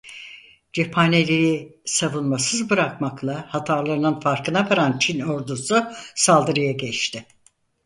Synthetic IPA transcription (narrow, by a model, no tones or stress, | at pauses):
d͡ʒepʰanelʲeɾisavunmasɯzbɯɾakmaklˠahat̪ʰaɾlˠaɾɯnɯnfaɾkɯnabaɾant͡ʃʰino̞ɾd̪ususalˠd̪ɯɾɯjaɟɛt͡ʃt̪ʰɪ